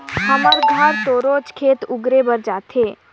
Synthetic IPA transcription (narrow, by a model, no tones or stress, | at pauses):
həməɾɡʱaɾt̪oɾod͡ʒkʰeːt̪ʊɡɾebəɾd͡ʒat̪ʰe